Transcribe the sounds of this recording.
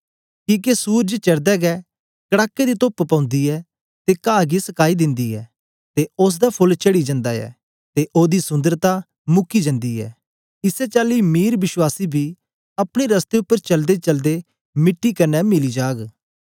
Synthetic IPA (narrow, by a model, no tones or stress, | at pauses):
kiːk̬esuːɾd͡ʒət͡ʃɐɽd̪ɛɡɛː | kəɽaːkːed̪it̪oːppãːʊ̃nd̪iːɛː | t̪ekaːɡisɐkaːid̪ɪ̃nd̪iːɛ̰ː | t̪eʊs̬d̪apʰʊlt͡ʃəɽid͡ʒə̃nd̪aːɛ̰ː | t̪eʔoːd̪isʊ̃nd̪əɾt̪a | mʊkid͡ʒə̃nd̪iːɛ̰ː | ɪsɛt͡ʃaːlimiːɾbɪʃwaːsibʱiː | ɐpɽ̃eɾɐst̪eʊpːəɾt͡ʃɐld̪et͡ʃɐld̪e | mɪʈːikɐnɛmɪlid͡ʒaːɡ